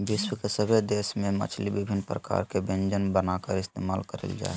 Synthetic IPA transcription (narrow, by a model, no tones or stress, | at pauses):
biʃwəkesəbʱed̪esmẽmə̰t͡ʃʰlibibʱinːpɾəka̰ɾkebẽnd͡ʒənbənakəɾɪst̪emalkəɾə̰ld͡ʒa̰e